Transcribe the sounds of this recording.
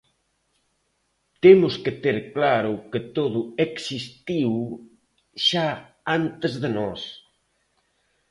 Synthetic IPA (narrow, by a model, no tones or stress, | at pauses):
t̪emʊskɪt̪eɾklaɾʊkɪt̪oðʊeksist̪iw | ʃa | ant̪ezðenɔs